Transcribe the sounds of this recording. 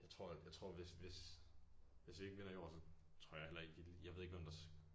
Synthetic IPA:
jäɪt͡sʰʁo̝ɐ̰jäɪt͡sʰʁɔ̝ɐ̰ʋese̝s | ʋe̝sʋ̥ie̝ɡ̥əʋe̝n̰ɐiɒ̰ːsɒ̽ | t͡sʰʁɔ̝ɐ̰jɑahelʔɐe̝ɡ̥iljäʋeðˠeɡ̥ʋemd̥ɑ̈s

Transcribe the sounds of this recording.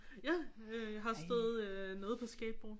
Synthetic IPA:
jæ | øjɦɑ̈sd̥eːð̩ˠnɔ̽ːð̩ˠpʰɒ̽sɡ̥ɛ̰ːb̥̚b̥o

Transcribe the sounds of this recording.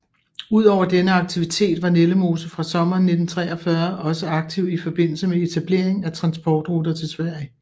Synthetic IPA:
uð̞̰ˠɒʊ̰ɐd̥enəɑ̈ɡ̥̚t͡sʰiʋit͡sʰe̝̰ːd̥ʋɑ̈neləmo̝ːsəfʁɑ̈sɒ̽mɐːnːe̝d̥n̩t͡sʰʁɛːɒfɶɐʔɒ̽səɑ̈ɡ̥̚t͡sʰiʊ̰ifɒ̽b̥e̝n̰l̩səmeet͡sʰæb̥le̝̰ɐ̰eŋæt͡sʰʁɑ̈nsb̥ɒːd̥ʁod̥ɐt͡sʰe̝lsʋæɐ̰jə

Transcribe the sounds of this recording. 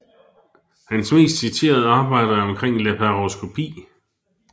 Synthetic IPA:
hænsme̝̰ːsd̥sit͡sʰe̝̰ːɐð̞̩ˠɑ̈ːb̥ɑ̈ɪ̰d̥ɐɒ̽mkʰʁeŋ̰lepʰæʁoskʰo̝pʰḭː

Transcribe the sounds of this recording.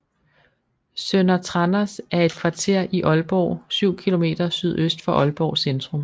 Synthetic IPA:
sønɐt͡sʰʁɑnɐsæɐe̝d̥̚kʰʋɑ̈t͡sʰe̝ɐ̰ʔiʔɒ̽lb̥ɒ̰ʊsyʊ̰kʰilo̝me̝̰ːd̥ɐsyð̞̰ˠøsd̥fɒ̽ʔɒ̽lb̥ɒʊsend̥ʁɔ̽m

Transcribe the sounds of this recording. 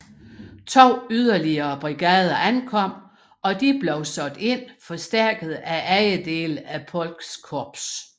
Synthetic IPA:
t͡sʰo̝̰ːyð̞ˠɐliɐːb̥ʁiɡ̥ɛːð̞ˠɐʔænkʰɒ̽m̰ | ɒ̽d̥ib̥lɒʊsɒ̽d̥e̝n̰fɒ̽sd̥æɐ̰ɡ̥əð̞ˠæʔæɪəd̥e̝ːləæpʰɒ̽l̰ɡ̥skʰɒb̥s

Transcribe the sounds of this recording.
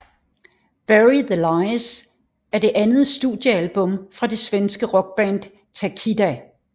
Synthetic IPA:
b̥æʁiðəlɑɪs | æɐde̝ʔænð̞̩ˠsd̥ṵðˠjəælb̥ɔ̽mfʁɑ̈d̥e̝sʋensɡ̥əʁɒ̽ɡ̥̚b̥æn̰d̥ | t͡sʰækʰid̥æ

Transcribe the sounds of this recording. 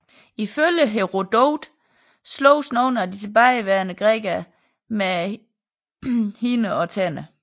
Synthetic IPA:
iføljəɦeʁo̝d̥oʊd̥ | slɔ̰ʊsnɔːnæd̥it͡sʰe̝b̥aɪʋæɐnəɡ̥ʁɛ̰ːɡ̥æ | me | hinəɒ̽t͡sʰænə

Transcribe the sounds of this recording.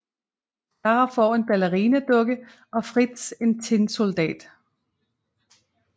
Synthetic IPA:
ɑɐfɒːe̝nb̥æləʁiːnəd̥øɡ̥ə | ɒ̽fʁid̥se̝nt͡sʰenso̝ld̥ɛ̰ːd̥

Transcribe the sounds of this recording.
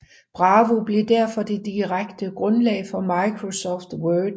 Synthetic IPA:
b̥ʁɑ̈ːʋob̥le̝d̥æɐ̰fɒ̽d̥e̝d̥iʁaɡ̥d̥əɡ̥ʁɔ̽nlɛ̰ɪfɒ̽mɑ̈ɪkʰʁo̝sɒfd̥wøːd̥

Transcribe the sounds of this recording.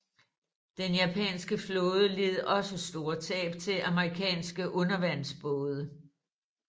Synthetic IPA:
d̥enjæpʰɛ̰ːnsɡ̥əflɔ̽ːð̞ˠəle̝ð̩ˠʔɒ̽səsd̥o̝ːɐt͡sʰɛ̰ːb̥t͡sʰe̝ʔæməʁikʰɛ̰ːnsɡ̥əʔɔ̽nɐʋæn̰sb̥ɔːð̞ˠə

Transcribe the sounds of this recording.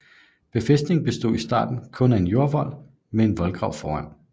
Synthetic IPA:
b̥e̝fesd̥ne̝ŋ̩b̥e̝sd̥o̝̰ːisd̥ɑ̰̈ːd̥n̩kʰɔ̽næe̝njo̝ɐʋɒ̽l̰ | mee̝nʋɒ̽lɡ̥ʁɑ̈ʊ̰fɒːæn̰

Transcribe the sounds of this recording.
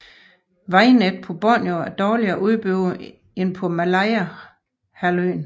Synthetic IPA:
ʋɑ̈ɪned̥̚pʰɒ̽b̥ɒnjoæɐd̥ɒːliɐːʔuðˠb̥øʊ | enpʰɒ̽mælɑɪæ | hæløːn

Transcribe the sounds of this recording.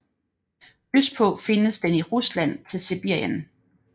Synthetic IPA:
yspʰɔ̽fe̝nəsd̥eniʁuslæn̰t͡sʰe̝lsib̥iɐ̰jən

